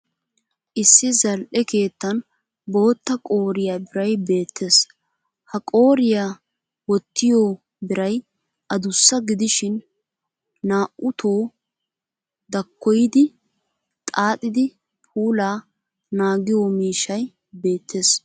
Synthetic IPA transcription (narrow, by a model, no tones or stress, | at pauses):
ʔɪsːɪzɐlʔɛke̞ːt̪ːɐn | bo̞ːt̪ːɐkʼo̞ːɾɪjabɪɾɐjbe̞ːt̪ʰːe̞s | hɐkʼoːɾɪjaː | wɔt̪ːɪjoː | bɪɾɐj | ʔɐd̪ʊsːɐɡɪd̪ɪʃɪn | naːʔʊt̪ʰo̞ː | d̪ɐkːɔjd̪ɪ | t̪ʼaːt̪ʼɪd̪ɪ | pʰuːlaː | naːɡɪjoːmiːʃɐj | be̞ːt̪ʰːe̞ːs